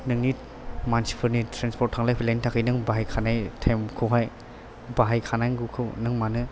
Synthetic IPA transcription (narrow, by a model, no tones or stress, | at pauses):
nɯŋni | mansi̥pʰɯɾnitʰɾanspʰɔt̚ʰːaŋlajpʰilajntʰakʰɯjnɯŋbaɦajkʰanajtʰamkʰɯwɦaj | baɦajkʰanajŋɡukʰɯwnɯŋmanɯ